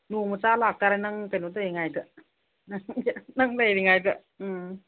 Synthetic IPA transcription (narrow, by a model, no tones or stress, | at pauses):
numət͡saːlaːkːaɾanaŋpanut̪ɯjaŋːajt̪ɯʔ | naŋnaŋlejdaŋajt̪ɯʔ | ɯ